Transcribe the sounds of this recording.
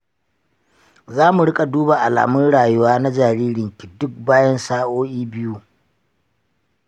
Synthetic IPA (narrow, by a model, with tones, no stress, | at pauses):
zaː˦mu˨ɽɪ˦kʼa˨duː˦ba˨ʔa˨la̰ː˨mʊ˦nɽaː˨jʊ˦waː˦na˦d͡ʒaː˨ɾiː˦ɽɪ˨ŋkʲi˨dʊ˦k̚baː˦jɐ˦nsaː˦ʔoː˦ʔiː˦bɪ˦ju˦